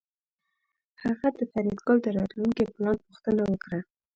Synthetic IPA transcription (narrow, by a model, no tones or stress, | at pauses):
haɣad̪əfaɾjɑd̪ɡold̪əɾɑt̪luŋkiplɑnpuxt̪ənawəkɾa